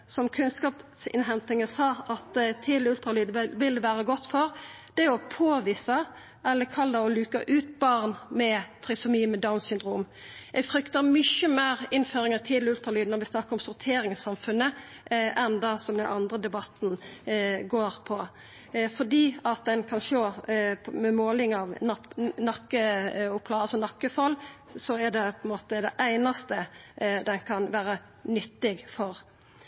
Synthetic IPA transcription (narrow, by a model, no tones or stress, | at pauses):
sɔmkʰʉnskɑːpsɪ̰nɦɛnt̪ɪŋəsɑːɑt̪t̪ʰːiːd̪lʉlt̪ɾɑlyːd̪əʋɪld̪ɛʋæːɾəɡɔt̪ːfɔʁ | d̪̥ɛɔpʰoːʋiːsɑ | ʔɛlːəkʰɑld̪ɑɔlʉːkɑʔʉːt̪bɑʁnmɛt̪ʰʁɪsʊmiːmɛd̪ɑʊnsʏnd̪ʁuːm | ɛɡfɾʏkt̪əmʏçəmeːʁɪnføːɾɪŋət̪ʰiːd̪lʉlt̪ʁɑlyːd̪nɔɾʋɪsnɑkəɾɔmsʊʁt̪ʰeːɾɪŋsɑmfʉnːə | ʔʔɛnd̪ɑsɔmd̪ɛnɑ̰nd̪ʁəd̪ɛbɑt̪n | ɡoːʁpʰɔ | fɔd̪iːɑt̪̚d̪ɛnkʰɑnʃoː | mɛmoːlɪŋɑʋnɑnɑkːəʊpʰlɑɑlsɔnɑkːəfɔlːsɔɛɖ̪ɛpʰɔɛnmoːt̪əd̪ɛʔæɪnɑst̪əd̪ɛnkʰɑnʋæːɾə | nʏt̪ːɪɡfɔʁ